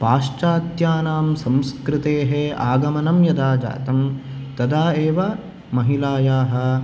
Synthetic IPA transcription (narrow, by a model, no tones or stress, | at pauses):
paːʂt͡ʃaːt̪jaːnaːmsɐ̃mskɾɪt̪eːɦeaːɡɐmɐnɐmjɐd̪aːd͡ʒa̰ːt̪ɐmt̪ɐd̪aːeːʋɐ | mɐɦilaːjaːɦɐ̆